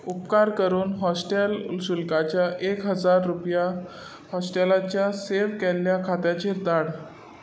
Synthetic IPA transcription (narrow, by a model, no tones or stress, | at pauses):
upkaɾkəɾuːnɦɔsʈelsulkat͡ɕjaʔekɦəd͡zaɾːupja | hɔsʈelat͡ɕjaseʋkelːjakʰat̪jat͡ɕed̪aɽ